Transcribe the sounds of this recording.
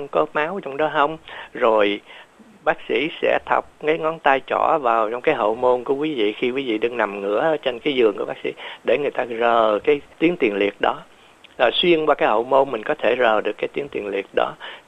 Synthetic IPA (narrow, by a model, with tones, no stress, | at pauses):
wŋ͡mkɔ˨˦maː˨˦wt͡ɕɔ˧wŋ͡mɗɔ˨˦ɦə˧wŋ͡mzo˨˩j | ɓaː˦˥k̚sḭ˧˥sɛ̰˧˥t̪ʰa˨˩wk͡p̚ŋa˨˦jŋɔ˨˦nt̪aː˧jt͡ɕɔ˧˩vaː˨˩wt͡ɕɔ˧wŋ͡mkaː˨˦jɦə̰˧˨wmo˧nku˧˩əkwi˨˦vḭ˧˨xi˧kwi˨˦vḭ˧˨ɗɨ˧ŋna˨˩mŋɨ̰˧˥ə˧˦t͡ɕe˧nkaː˨˦jzɨ˨˩əŋku˧˩əɓaː˦˥k̚sḭ˧˥ɗe˧˩ŋɨ˨˩əjt̪aː˧zəː˨˩kaː˨˦jt̪i˨˦əŋt̪i˨˩ənlḭ˨˩ət̚ɗɔ˨˦ | laː˨˩swi˧ənkwaː˧kaː˨˦jhə̰˧˨wmo˧nmï˨˩ŋ̟kɔ˨˦t̪ʰe˧˩zəː˨˩ɗɨ˨˩əkːaː˨˦jt̪i˨˦ət̪i˨˩ənlḭ˨˩ət̚ɗɔ̰˨˦